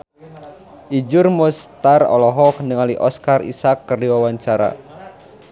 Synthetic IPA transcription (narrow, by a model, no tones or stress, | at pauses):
ʔid͡ʒʊrmɔst̪arɔ̰lɔɦɔknəŋaliʔɔskarḭsakːərdiwawaɲt͡ʃaɾa̰